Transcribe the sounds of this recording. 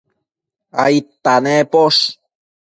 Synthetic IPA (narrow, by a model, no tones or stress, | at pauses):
a̰it̪ːanepoʂ